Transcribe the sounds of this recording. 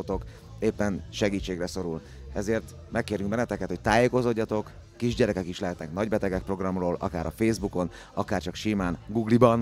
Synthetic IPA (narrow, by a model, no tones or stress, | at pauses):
ot̪o̞k | eːpːɛnʃɛɡiːt͡ʃːeːɡrɛso̞ɾul | ɛzeːrt̪ | mɛkːeːɾyŋ̚bɛnɛt̪ɛkɛt̪ho̞c̚t̪aːjeːko̞zo̞ɟːɒt̪o̞kː | iʒɟɛɾɛkɛkiʃlɛɦɛt̪nɛknɒɟbɛt̪ɛɡɛk̚pro̞ɡrɒmroːlʔɒ̰kaːɾɒfeːzbuko̞n | ɒkaːrt͡ʃɒkʃimaːnɡuɡlibɒn